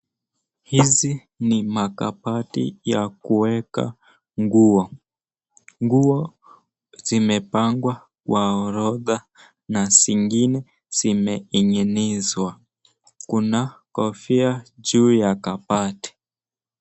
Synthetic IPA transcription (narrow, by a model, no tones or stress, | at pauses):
hizi | nimaka̰patḭjakuwɛka̰ | ŋɡuɔ | ŋɡuɔ | zimɛpaŋɡwa | kwaɔɾɔða | nasiŋɡinɛ | z̥imɛiɲɛnizwa | kunakɔfiad͡ʒuːjakapati̥